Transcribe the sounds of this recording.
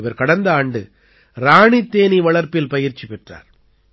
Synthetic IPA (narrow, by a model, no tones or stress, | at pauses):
ɪʋɐɾkɐɽɐnd̪ɐaːɳɖɯ | ɾaːɳit̪ːeːniʋɐɭɐɾpɪlpɐjɪɾt͡ʃːipɛʈra̰ːɾ